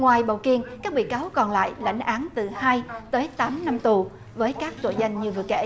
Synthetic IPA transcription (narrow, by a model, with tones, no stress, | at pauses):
ŋwaː˨˩jɓə̰˧˩wki˧ənkaː˦˥k̚ɓḭ˧˨kaː˨˦wkɔ˨˩nla̰ː˧˨jla̰˧˥jŋ̟ʔaː˨˦nt̪ɨ˨˩haː˧jt̪əː˨˦jt̪aː˨˦mna˧mt̪u˨˩ | vəː˨˦jkaː˦˥k̚t̪o̰˧˩za˧jŋ̟ɲɨ˧vɨ˨˩əkḛ˧˥